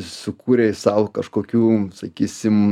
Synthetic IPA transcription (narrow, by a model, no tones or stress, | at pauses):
sʊkuːɾʲesɐʊkɐʃkoːkʲuːsɐkʲiːsʲɪm